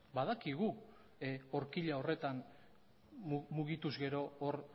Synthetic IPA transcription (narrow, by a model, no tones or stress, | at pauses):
baðakiɣu | oɾkiʎao̞re̞t̪an | muɣit̪uzɣe̞ɾo̞ːɾ